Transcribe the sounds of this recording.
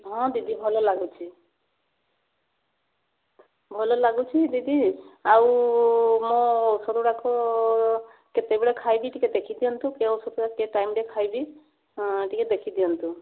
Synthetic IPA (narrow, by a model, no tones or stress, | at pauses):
ɦɔ̃d̪id̪ibʱɔlɔlaɡut͡ʃʰi | bʱɔlɔlaɡut͡ʃʰid̪id̪iaw | mɔ̃ːwsɔɾuɾakɔ | ket̪ebeɭekʰajbiʈiked̪ekʰid̪ijɔnt̪ũkeɔwsɔɾuakeʈajmɖekʰajbi | ʈiked̪ekʰid̪ijɔnt̪u